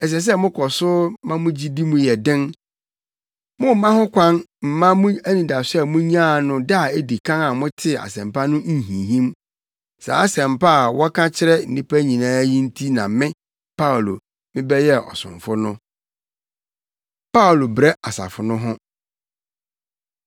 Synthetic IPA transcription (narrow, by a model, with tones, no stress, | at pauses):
ɛ˨s̬ɛ˨s̬ɛ˦mʊ̃˦kʰɔ˨sʊ˦mã˦mʊ̃˦d͡ʑi˦di˦mũ˨jɛ˨dɪ̃˦n | mʊ̃˦m˨mã˦hʊ̃˦kʰʷã˦nm̩˨mã˦mũ˦æ˦nĩ˨da˨sɛ˦˨mʊ̃˦ɲ˦ã˦˨nʊ̃˦da˦a˨e˦di˨kʰã˦ŋa˨mʊ̃˦tʰɪ˦a̰˨sɛ̃˨mpa˦nʊ̃˦˨ɦĩ˨ɦĩ˦m | sa̰˨a˦sɛ̃˨mpa˦˨wɔ˦kʰã˦t͡ɕʰɪ˦ɾɛ˦n̩˨nĩ˦pʰæ˦ɲĩ˨nãː˦jĩ˦n̩˦tʰi˦nã˨mɪ̃˦ | pʰa˦˨lo̰˨ | mɪ̃˦bɛ˦jɛ˦ʔɔ̰˨sʊ̰̃˨ɱfʊ˦nʊ̃˦ | pa˦wlo˨bɾɛ˦a˨sa̰˨fʊ˨nʊ̃˦ɦʊ̃˦